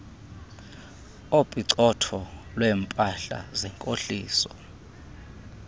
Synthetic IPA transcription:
opʼiǀɔtʰɔlwɛːmpʼaɬa̰zɛŋkʼoɬiːsɔ̥

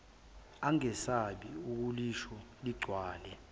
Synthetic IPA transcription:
aŋɛsaɓiuk̬uliʃɔliɡ͡ǀʱwaːlɛ

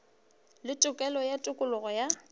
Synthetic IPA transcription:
lɪtʼʊkʼɛlɔjatʼʊkʼʊlʊɣɔja

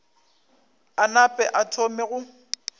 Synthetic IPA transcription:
anapʼɛʔatʰomɛɣʊ

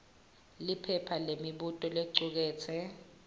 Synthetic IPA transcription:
lipʰɛpʰalemiɓutʼɔleǀuk̬ɛːt͡sʰɛ

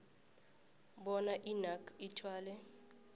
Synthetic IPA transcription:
ɓɔnaʔinakʰitʰwaːlɛ

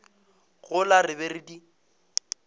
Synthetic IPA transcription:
ɣʊlarɪberidi

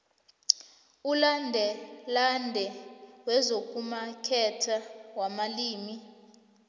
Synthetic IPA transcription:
ulandʱɛlandʱɛwɛzok̬ʼumakʰɛtʰawamaliːmi

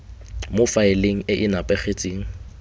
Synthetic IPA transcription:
mofaɪleŋ̩ɪʔɪnapʼɛχet͡sʼiːŋ̩

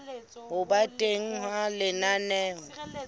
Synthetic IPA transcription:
hʊbatʼeŋ̩ɦalɪnanɛːŋ

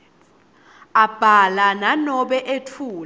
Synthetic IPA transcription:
ab̥ʱalananɔɓɛʔetʰuːl

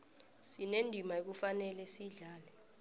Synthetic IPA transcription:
sinendʱimaek̬ufanɛlɛsiɮaːlɛ

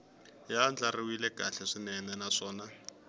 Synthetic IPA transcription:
jand͡ɮariwilɛkaɬɛʂinɛnɛnaʂɔːna

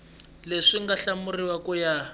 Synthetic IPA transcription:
leʂiŋɡaɬamuriwakuja

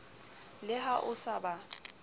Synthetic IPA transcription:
lɪɦaʔʊsaba

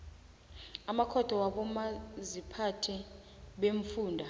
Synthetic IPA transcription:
amakʰɔd̥ʱɔwaɓɔmazipʰatʰɛ | ɓeɱfuːndʱa

